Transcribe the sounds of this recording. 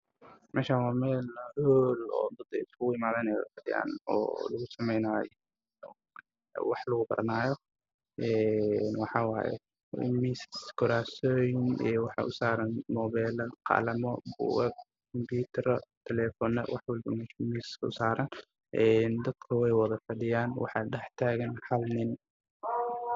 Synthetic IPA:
mʔɛːʃawaːmɛːlhoːlɔ̰ːd̪ɐd̪ɛ̰jsʊɣʊɪmaːðɛnɛjɔ̰fɐdɪ̰ʔa̰ːnɔ̰ːlɐɣʊsɐmɛjnaːj | wɑħlɐɣʊbɐ̰ɾnaːjɔ | ʔɛnwɑħɑwa̰ːjɛ̰ | miskʰɔɾaːsɔːjnʔɛːwɑħɑ̰ʔʊsaːɾɐnmɔːβɛːlɐqɑ̰lɐmɔbṵɛb̚ | kʰɔmbuːt̪ʰɐɾɐt̪ʰɛlɛfɔnɐ̰wʔɑħwɐlbɐmɛmisʊ̰saːɾɐn | ʔɛːnd̪ɐd̪kʰɐwɛjwɐðɐfɐɖɪjaːnwɑ̰ħɑːɖɛħt̪ʰaːɣɐnħɑlnɪn

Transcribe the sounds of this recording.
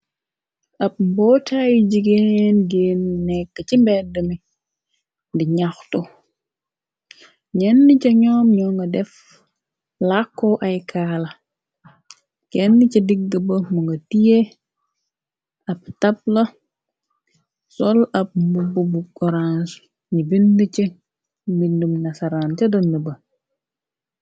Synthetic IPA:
ɐp̚mbɔtʰajɟiɡenɡeːninɛkːəcimbɛdəmi | ndiɲaxtu | ɲɛnːicɐɲɔmɲɔŋɡɐdɛf | lakːɔʔɐjkʰaːlɐ | kɛnːicɐdiɡ̚dəbɐmuŋɡɐtije | ɐp̚tɐp̚lɐ | sɔlɐp̚mububukɔɾans | ɲibindice | mindumnɐsɐɾant͡ʃɐdɐndəbɐ

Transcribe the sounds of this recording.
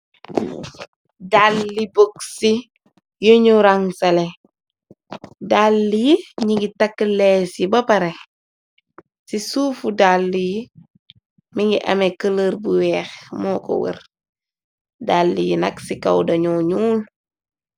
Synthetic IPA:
dalːiboksi | joɲuɾaŋsɐle | dalːijiɲiɡitakːlesibɐpɐɾe | sisuːfudalːiji | miŋɡiʔɐ̰mekələɾbuwɛːxmɔːko̰wḭɾ | dalːijinɐ̰ksika̰wdɐɲuɲuːl

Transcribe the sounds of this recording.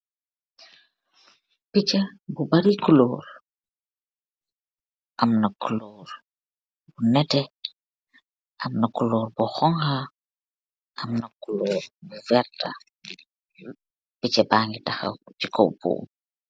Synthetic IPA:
pit͡ʃɐbubaɾikuloːɾ | ʔɐmnɐkuloɾ | bunɛtɛ | ʔɐmnɐkuloːɾbuxɔŋha | ʔɐmnɐkuloːɾbuvɛɾta | pit͡ʃɐbaːŋɡitɐxɐ̰t͡ʃiko̰wbṵː

